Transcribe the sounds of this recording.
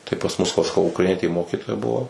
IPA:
tɐɪ pɐs mʊs ʋɐ sɐˈkɐʊ ʊkrɐɪˈnʲiɛtʲeːˈmoːkʲiːtoːjɛ ˈbʊʋoː

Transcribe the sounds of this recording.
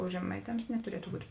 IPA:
oː ʒʲɛˈmɐɪˌtʲɛms nʲɛtʊˈrʲiɛtʊ buːtʲ

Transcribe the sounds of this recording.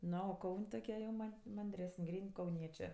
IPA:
ˈnoː oː ˈkɐʊnʲ toːˈkʲiɛ jɛʊ ˈmɐnʲ mɐnʲˈdʲrʲæːsənʲ ˈɡrʲiːnʲ kɐʊˈnʲiɛt͡ʃʲeː

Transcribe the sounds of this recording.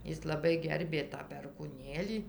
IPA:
ˈɪs lˠɐˈbɐɪ ˈɡʲɛrʲbʲeː tɑː pʲɛrkuːˈnʲeːlʲiː

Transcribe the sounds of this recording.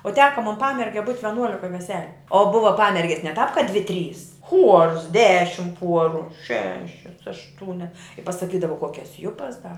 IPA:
oː ˈtʲæːkɐ moːn ˈpɑːmʲɛrʲɡʲɛ buːtʲ ʋʲɛˈnuɔlʲɪkɐ ʋʲɛˈsʲæːlʲʊ oː ˈbʊʋɐ ˈpɑːmʲɛrʲɡʲɛs nʲɛ tɑːp kɐ dʲʋʲɪ tʲrʲiːs xuɔrs ˈdʲæːʃʲɪm ˈpuɔrʊ ˈʃʲæːʃʲɛs ɐʃˈtuːnʲɛs pɐsɐˈkʲiːdɐʋɐ ˈkuɔkʲɛs ˈjʊpɐs dɐ

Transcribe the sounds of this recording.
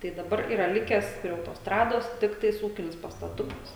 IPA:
tɐɪ dɐˈbɐr ˈiːrɐ ˈlʲɪkʲɛs pʲrʲiɛ ɐʊtoːsˈtrɑːdoːs ˈtʲɪktɐɪs ˈuːkʲɪnʲɪs pɐstɐˈtʊkɐs

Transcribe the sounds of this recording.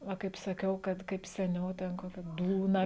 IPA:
ˈʋɐ kɐɪp sɐˈkʲɛʊ ˈkɐt kɐɪp sʲɛˈnʲɛʊ ˈtʲɛn ˈkoːkʲɛ ˈduːnɐ

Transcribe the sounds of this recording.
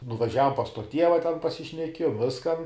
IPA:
nʊʋɐˈʒʲæːʋoːm pɐs toː ˈtʲiɛʋɐ tʲɛn pɐsʲɪʃʲnʲɛˈkʲiɛjoːm ˈʋʲɪskɐn

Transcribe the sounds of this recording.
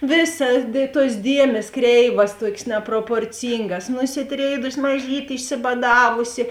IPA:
ˈʋʲeːˌsɐ dʲeː tuɔs ˈdʲiɛmʲeːs ˈkrʲɛɪʋɐs ˈtuɔkʲeːs nʲɛproːpoːrʲˈt͡sʲiːŋɡɐs nʊsʲɪˈtʲrʲeːɪdʊsʲɪ mɐˈʒʲiːtʲeː ɪʃʲsʲɪbɐˈdɑːʋʊsʲɪ

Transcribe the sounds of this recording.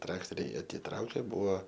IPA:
ˈtrɑːktoːrʲɛɪ ɐtʲɪˈtrɐʊkʲeː ˈbʊʋoː

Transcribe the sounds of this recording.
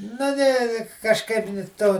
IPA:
nɐ ˈnʲɛ kɐʃˈkɐɪp nʲɪ ˈtoː

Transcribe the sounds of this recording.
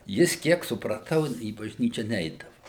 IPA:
ˈjɪs ˈkʲiɛk sʊprɐˈtɐʊ iː bɐʒʲˈnʲiːt͡ʃʲɛ ˈnʲɛɪdɐʋʊ

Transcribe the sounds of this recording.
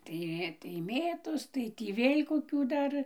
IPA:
ˈtɐɪ tɐɪ ˈmʲeːtoːs ˈtɐɪ tʲiː ˈʋʲeːlʲ koːˈkʲuː ˈdɐr

